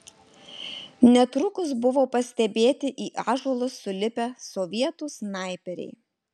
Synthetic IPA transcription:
nʲɛt̪ɾʊkʊsbʊʋoːpɐsʲt̪ʲɛbʲeːt̪ʲɪʔiːʔɑːʒoːlˠʊsːʊlʲɪpʲæsɔʋʲiɛt̪ʊsnɑˑɪpʲɛɾʲɛ̰ɪ

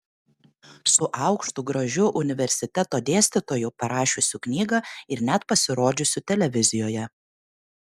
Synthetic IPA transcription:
sʊʔɑˑʊkʃt̪uɡɾɐʒʲʊʔʊnʲɪʋʲɛɾʲsʲɪt̪ʲɛt̪oːd̪ʲeːsʲt̪ʲɪt̪oːjʊpɐɾɑːʃʲʊsʲʊknʲiːɡɑɪɾnʲɛt̪pɐsʲɪɾoːd͡ʒʲʊsʲʊt̪ʲɛlʲɛʋʲɪzʲɪjoːjɛ

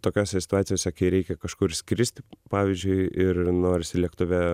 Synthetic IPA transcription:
t̪oːkʲoːsʲɛsʲɪ̥t̪ʊɑːt̪ʲɪjoːsʲɛkɐɪɾʲɛɪkʲɛkɐʃkʊɾsʲkɾʲɪsʲt̪ʲɪpɑːʋʲiːzʲd͡ʒʲʊɪɪrnoːɾʲɪsʲɪlʲiɛkt̪ʊʋʲɛ

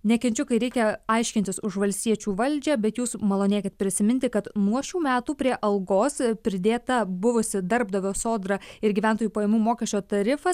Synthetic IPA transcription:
nʲɛkʲɪnʲt͡ʃʲʊkɐɪɾʲɛɪkʲɛɐɪʃʲkʲɪnʲt̪ʲɪsʊʃʋɐlʲst̪ʲiɛt͡ʃʲuːʋɐlʲd͡ʒʲɛbʲɛt̪juːsmɐlˠoːnʲiɛkʲɛt̪̚pʲɾʲɪsʲɪmʲɪnt̪ʲɪkɐt̪nuɔʃʲuːmʲæːt̪uːpʲɾʲiɛʔɐlˠɡoːspʲɾʲɪd̪ʲeːt̪ɐbʊʋʊsʲɪd̪ɐɾbd̪ɐʋʲoːsoːd̪ɾɐɪɾɡʲiːʋʲænt̪oːjuːpɐjeːmuːmoːkʲɛʃʲt͡ʃʲoːt̪ɐɾʲɪfɐs

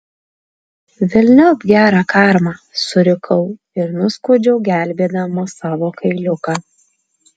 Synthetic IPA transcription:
ʋʲɪlʲnʲɛbʲɡʲæːɾɑːkɑːˑɾmɑːsʊɾʲɪkʰɐʊ | ɪɾnʊskoːd͡ʒʲɛʊɡʲæˑlʲˑbʲeːd̪ɐmoːsɑːʋoːkɐɪlʲʊkɑː

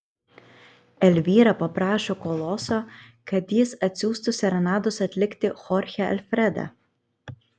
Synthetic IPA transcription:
ɛlʲʋʲiːɾɐpɐpɾɑːʃoːkoːlˠɔsoːkɐt̪jɪsɐt̪ʲsʲuːst̪ʊsʲɛɾɐnɑːd̪ʊsɐt̪ʲlʲɪkʲt̪ʲɪxɔɾʲxʲɛɐ̰lʲfʲɾʲɛd̪æ̰

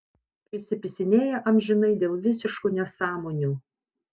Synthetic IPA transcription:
pʲɾʲɪsʲɪpʲɪsʲɪnʲeːjɛʔɐmʲʒʲɪnɐɪd̪ʲeːlˠʋʲɪsʲɪʃkuːnʲɛsɑːmoːnʲuː

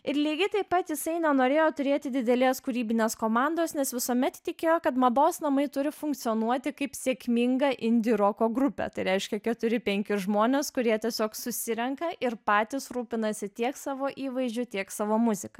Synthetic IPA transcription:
ɪɾlʲiːɡʲɪt̪ɐɪpːɐt̪jɪsɐɪnʲɛnoːɾʲeːjoːt̪ʊɾʲeːt̪ʲɪd̪ʲɪd̪ʲɛlʲeːskʊɾʲiːbʲɪnʲeːskoːmɑnd̪oːsnʲɛsʋʲɪsoːmʲɛt̪t̪ʲɪkʲeːjoːkɐt̪mɐd̪oːsnɐmɐɪt̪ʊɾʲɪfʊŋkt̪sʲɪjoːnuɔt̪ʲɪkɐɪpsʲeːkmʲɪŋɡɐʔɪnʲd̪ʲɪɾoːkoːɡɾʊpʲɛ̰t̪ɐɪɾʲɛɪʃʲkʲɛkʲɛt̪ʊɾʲɪpʲɛŋʲkʲɪʒmoːnʲeːskʊɾʲiɛt̪ʲɛsʲoːksʊsʲɪɾʲɛŋkɐʔɪɾpɑːt̪ʲɪsɾuːpʲɪnɐsʲɪt̪ʲiɛksɑːʋoːʔiːʋɐɪzʲd͡ʒʲʊt̪ʲiɛksɑːʋoːmʊzʲɪkɐ

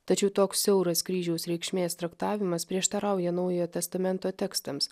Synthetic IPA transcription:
t̪ɐt͡ʃʲɛʊt̪oːksːʲɛʊɾɐskɾʲiːʒʲɛʊsɾʲɛɪkʃʲmʲeːst̪ɾɐkt̪ɑːʋʲɪmɐspʲɾʲiɛʃt̪ɐɾɑˑʊjɛnɐʊjot̪ʲɛst̪ɐmʲɛnt̪oːt̪ʲɛkst̪ɐms

